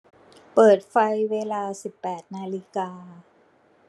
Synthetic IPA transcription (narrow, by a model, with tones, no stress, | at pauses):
pɤː˨˩t̪̚fa˧jweː˧laː˧si˨˩pːɛː˨˩t̪̚naː˧li˧kaː˧